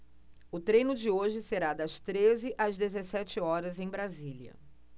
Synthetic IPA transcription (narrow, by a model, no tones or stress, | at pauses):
ʊt̪ɾejnʊd͡ʒɪoʒɪseɾad̪ɐst̪ɾezɪʔɐzd̪ezesɛt͡ʃɪɔɾɐzẽj̃bɾaziliɐ̰